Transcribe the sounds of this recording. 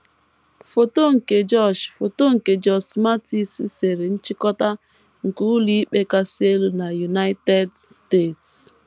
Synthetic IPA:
fo˨to˦ŋ̩˨ke˨d͡ʒɔ˦˨d͡ʒfo˨to˦ŋ̩˨ke˨d͡ʒɔ˦˨sma˦ti˦si˦se˨ɾe˨n̩˦t͡ʃi˦kɔ˦ta˦ | ŋ̩˨ku˦li˦k͡pe˦ka˦se˦lu˨na˨ju˨na˦jte˦dste˦˨ts

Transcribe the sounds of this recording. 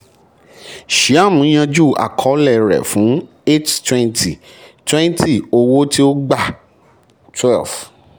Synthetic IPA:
ʃi˨˦a˦˨mũ˨˦j̃ã˧d͡ʒu˦˨a̰˨kʰɔ˨˦lɛ˦˨ɾɛ̰˨fũ˨˦ | e˦ttwɛ̃˦ntʰi˨ | twɛ̃˦n˦tʰi˦˨o˧wo˦ti˦o˦ɡ͡ba˦˨ | twɛ˦˨lf

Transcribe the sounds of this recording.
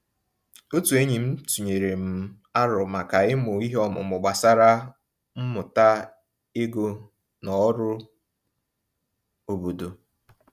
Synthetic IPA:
o˦tu˨e˦ɲi˨m̩˦tu˨ɲe˨ɾe˨m̩˨ | a˦ɾʊ˨ma˨ka˨ɪ˦mʊ˨i˦ɦɔ˦mʊ̰˨mʊ˨ɡ͡ba˨sa˦ɾa˦ | m̩˦mʊ˨ta˦ | e˦ɡo˦ | nɔ˨˦ɾʊ˦ | o˨bo˨do˨

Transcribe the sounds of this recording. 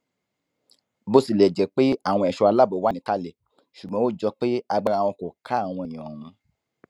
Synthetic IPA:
bo˦si˦˨lɛ˨d͡ʒɛ˨˦k͡pe˦a˦˨w̃ɔ̃˧ɛ˨ʃɔ˧a˧la˦˨bo˨˦wa˦nĩ˨˦ta˧le˨ | ʃu˨ɡ͡bɔ̃˨˦wo˦˨d͡ʒɔ˧k͡pe˦a˧ɡ͡ba˧a˨wɔ̃˧ko˨kʰa˨˦a˦˨w̃ɔ̃˧e˨j̃ɔ˨ɾ̃ũ˧

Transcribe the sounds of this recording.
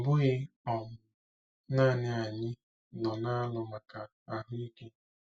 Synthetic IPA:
m̩˨bʊ˦ɣɪ˦ | ɔ˨mʊ˨ | naː˦˨nɪ˦a˨ɲɪ˦ | nɔ˨na˦lʊ˨ma˨ka˨ | a˦ɦʊ˦i˦ke˦

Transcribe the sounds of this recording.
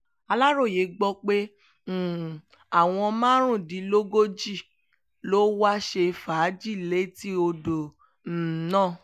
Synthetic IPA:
a˧la˦ɾo˦˨je˨˦ɡ͡bɔ˧k͡pe˦˨ | a˨w̃ɔ̃˧mãː˦ɾ̃ũ˦˨dĩ˨˦lo˦ɡo˦d͡ʒi˦˨ | lo˦wa˦ʃe˧fa˨˦d͡ʒi˦˨le˨˦ti˦o˧do˨ | n̩˨nã˦˨

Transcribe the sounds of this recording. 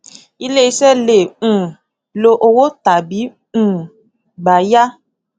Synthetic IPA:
i˦le˦i˦sɛ˦lẽ˨ | lo˦ʔo˦wo˦t̪a˨bĩ˨˦˨ | ba˨ja˦

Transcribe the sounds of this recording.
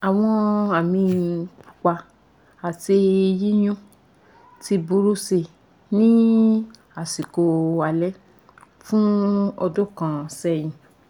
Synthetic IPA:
a˨w̃ɔ̃˧a˨mĩ˧k͡pu̥˨k͡pa˧ | a˨ti˧ji˦j̃ũ˦ | ti˧bu˧˦ɾu˦se˧˨ | nĩ˦ | a˨si˨ko˧a˨lɛ˦ | fũ˦ɔ˧do˦kã˨sɛ˦˨j̃ĩ˨

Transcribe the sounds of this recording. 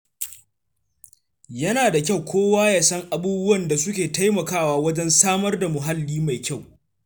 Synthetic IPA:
jɐ˦naː˨da˨kʲa˦˨wkʷʰoː˦waː˦jaː˨sɐ˦ŋʔa˨buː˦bʊ˦wɐ˨nda˨sʊ˦kʲeː˨ta˦jmɐ˨kaː˦waː˦wɐ˦d͡ʒɛ˦nsaː˦mɐ˦rda˨mʊ˨ɦa˦lːiː˦ma˨jkʲa˦˨w

